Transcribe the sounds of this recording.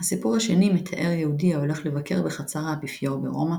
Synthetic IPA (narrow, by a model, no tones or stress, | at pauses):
hasipuʁhaʃenimet̪ʰaʔe̞ʁjehudiao̞le̞χle̞vakʰe̞ʁbeχat͡saʁaabifjoʁbḛʁo̞ma